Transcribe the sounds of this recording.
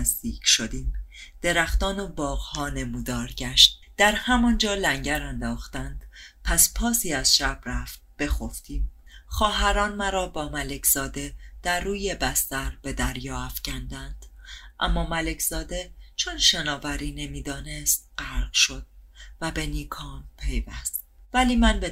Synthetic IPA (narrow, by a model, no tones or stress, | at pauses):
zd̪iːcʰʃo̞d̪iːmd̪̥e̞ɾæxt̪ɒːnobɒːɣhɒːne̞muːd̪ɒːɾɟæʃt̪̚ | d̪̥æɾhæmɒnd͡ʒɒːlæŋɟæɾænd̪ɒːxt̪ænd̪̥pʰæspʰɒːsiːæz̥ʃæb̥ɾæft̪̚b̥e̞xo̞ft̪ʰiːmxɒːɦæɾɒːnmæɾɒːbɒːmæle̞kʰz̥ɒːd̪e̞d̪̥æɾːuːje̞bæst̪æɾb̥e̞d̪æɾjɒːæfcʰænd̪ænd̪̥ʔæ̰mːɒːmæle̞cʰzɒːd̪e̞t͡ʃʰonʃenɒːvæɾiːne̞miːd̪ɒːne̞st̪̚ɢ̥æɾqʃo̞d̪̥̚væbe̞niːkʰɒːmpʰe̞jvæst̪̚væliːmænbe